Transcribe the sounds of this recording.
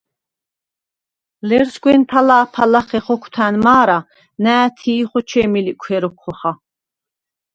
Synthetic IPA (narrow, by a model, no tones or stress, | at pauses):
lɛɾsɡwɛnpʰalaːpʰalaχɛχɔkʷʰt̪ʰaːnmaːɾa | næːt̪ʰiːχɔt͡ʃʰɛmilikʷʰɛɾɔkʰːɔχa